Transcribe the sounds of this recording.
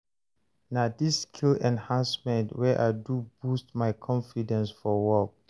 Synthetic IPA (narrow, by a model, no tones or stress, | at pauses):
nadiskʰilɛ̃nhãnsmɛ̃ntwɛʔa̰ɪdubustmaɪkʰɔ̃nfidɛ̃nsfɔwɔk̚